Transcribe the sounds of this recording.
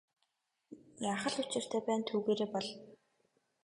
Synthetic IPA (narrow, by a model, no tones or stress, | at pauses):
jaːχə̆ɮut͡ɕɪ̆r̥t̪ʰeːpæːnt̪ʰuːɣeːɾeːpɔɮ